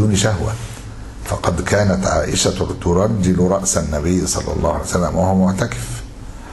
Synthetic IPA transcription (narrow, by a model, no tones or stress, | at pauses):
uːnʃaɦwa̰ | fɑqɑd̪kæːnæt̪ʕa̰ːʔɪʃat̪ʊɾˤɑd͡ʒːɪlɾˤɑʔsanːæbɪjːsˤɑ̰lːɑ̰lˤːɑ̰ːhuʕalijsælːæ̰mwahʊmʊʕt̪akɪ̥f